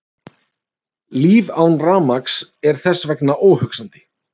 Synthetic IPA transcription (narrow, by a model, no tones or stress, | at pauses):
liːvaːwnraːmaksɛɾ̥θɛsːvɛknaʔoːwhʏksant̪ɪ̥